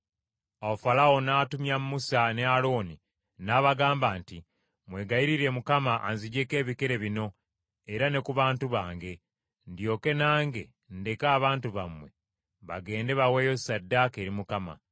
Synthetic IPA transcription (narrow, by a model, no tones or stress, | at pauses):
aofalawo̞naːtumjammusane̞alo̞ːni | naːβaɡaːmbaːnti | mwe̞ːɡaiɾiɾe̞mukamaʔanziɟe̞ke̞ːβike̞ɾe̞βino̞ | eɾane̞kuβaːntuβaːŋɡe̞ | ndjo̞ke̞naːŋɡe̞ | nde̞kaːβaːntuβamwe̞ | βa̰ɡe̞ːnde̞βaweːjo̞sadːake̞ːɾimukama̰